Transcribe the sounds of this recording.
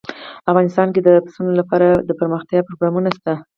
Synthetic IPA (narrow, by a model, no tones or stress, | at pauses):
afɣɑnɪst̪ɑnked̪əpsunolapɑɾad̪əpəɾməxt̪jɑpɾoɡɾɑmunast̪a